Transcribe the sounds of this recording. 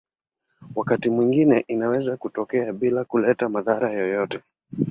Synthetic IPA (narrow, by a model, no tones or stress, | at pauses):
wakatimwiŋɡinɛʔinawɛzakutɔkɛaɓilakulɛtamaðaɾajɔjɔtɛ